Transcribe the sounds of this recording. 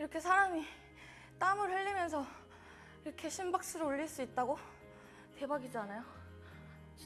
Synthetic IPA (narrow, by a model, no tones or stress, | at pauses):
iɾʌkʰe̞sʰaɾami | t͈amɯɭɸɯʎːimjʌns̬ʰʌ | iɾʌkʰe̞ɕʰimbak̚s͈ɯɾooɭːiɭs͈uit̚t͈aɡo | te̞baɡid͡ʑanajo